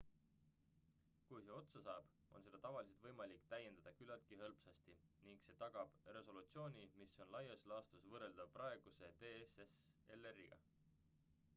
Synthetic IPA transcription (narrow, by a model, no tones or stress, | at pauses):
kujse̞o̞t̪sɑsɑːb̥ | o̞̰nse̞d̪̥ɑt̪ɑvɑlise̞t̪vɤjmɑlikːˑt̪æjːend̪̥ɑd̪ɑkylɑlt̪̚kiɦɤlpsɑst̪iniŋɡ̥se̞ːt̪ɑɡ̥ɑb̥re̞so̞lut̪sio̞ːnʲimisːo̞nlɑjɑslɑːst̪usvɤrːe̞ld̪̥ɑprɑe̞ɡ̥use̞t̪eːesese̞lːeriɡ̥ɑ̰